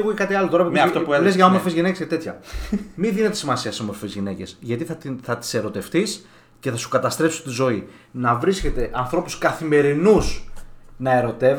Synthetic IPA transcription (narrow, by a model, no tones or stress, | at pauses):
iɣucekɐt̪iɐloo̞ɾɐp̪ft̪oplezʝɐomoɾfezʝinecescɐt̪e̞t̪çɐ̰miðine̞t̪esimɐsiɐseomo̞ɾfezʝine̞ce̞̰sʝɐt̪iθɐθɐt̪i̥se̞ɾo̞t̪e̞ft̪is | ce̞θɐsu̥kɐt̪ɐst̪ɾe̞psi̥st̪izo̞i | nɐvɾisce̞t̪e̞ʔɐnθɾo̞puskɐθime̞ɾinusnɐe̞ɾo̞t̪e̞v